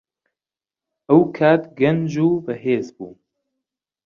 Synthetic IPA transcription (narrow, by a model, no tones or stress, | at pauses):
ʔɐwkʰaːt̪ɡɐnd͡ʒuːbɐɦeːzbṵː